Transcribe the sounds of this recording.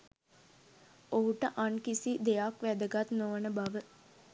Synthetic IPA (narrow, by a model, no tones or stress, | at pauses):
oɦuʈəʔankisid̪ejakʋæd̪əɡat̪noʋənəbaʋə